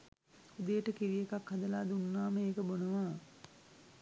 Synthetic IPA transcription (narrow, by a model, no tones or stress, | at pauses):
ud̪ejəʈəkiʋijekakhad̪əlaːd̪unːaːməeːkəbonəʋaː